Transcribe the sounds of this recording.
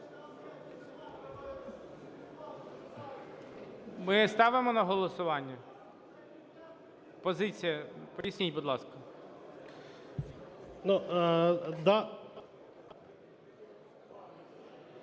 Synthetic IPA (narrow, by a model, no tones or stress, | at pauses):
mɪst̪ɑʋɪmɔnɐɦɔlˠɔsʊʋɑnʲːɐ | pɔzɪt͡sʲijɐpɔɾʲisʲnʲitʲbud̪lˠɑskɐ | nu | d̪ɑ